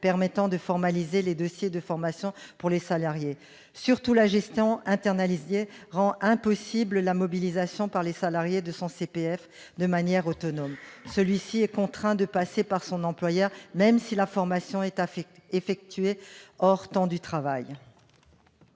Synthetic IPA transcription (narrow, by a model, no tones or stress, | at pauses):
pɛʁmɛt̪ɑ̃d̪əfɔʁmalizeled̪ɔsjed̪əfɔʁmasjɔ̃puʁlesalaʁje | syʁt̪ulaʒɛst̪jɔ̃ɛ̃t̪ɛʁnalizjeʁɑ̃ʔɛ̃pɔsibləlamɔbilizasjɔ̃paʁlesalaʁjed̪əsɔ̃sepeɛf | d̪əmanjɛʁot̪ɔnɔmsəlɥisiɛkɔ̃t̪χɛ̃d̪əpasepaʁsɔ̃nɑ̃plwajœʁmɛmsilafɔʁmasjɔ̃ɛt̪efɛk̚t̪ɥeɔʁt̪ɑ̃d̪yt̪χavaj